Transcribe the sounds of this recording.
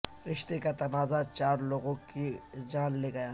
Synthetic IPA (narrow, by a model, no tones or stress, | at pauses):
ɾɪʃt̪ekat̪ɐnaːzat͡ʃaːɾloːɡõkid͡ʒaːnleɡɐjaː